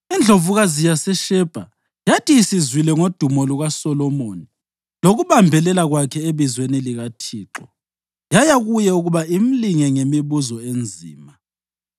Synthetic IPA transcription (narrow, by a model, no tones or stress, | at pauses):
ind͡ɮʱovuɣazijasɛʃɛb̥ʱa̰ | jatʰʼiːsizwilɛŋod̥ʱumɔluɣasɔlɔmoni | loɣuβambʱɛlɛlaɣwakʰɛeβizweniliɣatʰiːǁɔ | jajaɣujɛuɣuβaim̩liŋɛŋemiβuzɔend͡zʱḭːma